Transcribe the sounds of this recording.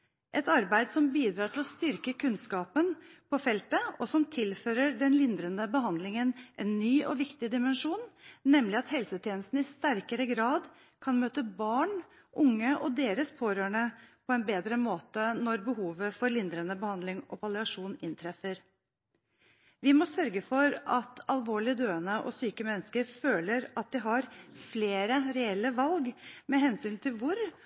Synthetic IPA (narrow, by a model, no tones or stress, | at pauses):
ʔɛt̪ɑɾbæɪd̪sɔmbiːd̪ɾɑːʈʰɪlɔst̪ʏɾkəkʰʉnskɑːpənpʰɔfɛlt̪əɔsɔmt̪ʰɪlføːɾəɖɛnlɪnd̪ɾənəbəɦɑnd̪lɪŋənʔɛnːyːʔɔʋɪkt̪ɪd̪ɪmɛnʂuːnːɛmlɪɑt̪hɛlsət̪ʰjeːnəst̪nəɪst̪æɾkəɾəɡɾɑːd̪ | kʰɑnmøːt̪əbɑːɳ | ʔʊŋːəʔɔd̪eːɾəspʰoːɾøːɳəpʰɔɛnbeːd̪ɾəmoːt̪ənɔɾbəhuːʋəfɔɾlɪnd̪ɾənəbəhɑnd̪lɪŋʔɔ̰pʰɑlɪɑʂuːnɪnt̪ʰɾɛfəɾ | ʋɪmɔsœɾɡəfɔɾɑt̪ʰɑlʋoːɭɪəd̪øːənəʔɔ̰syːkəmɛnːəskəɾføːləɾɑt̪̚d̪ɪɦɑɾfleːɾəɾɛɛlːəʋɑlɡmɛɦɛnsyːnt̪ʰɪlʋʊɾ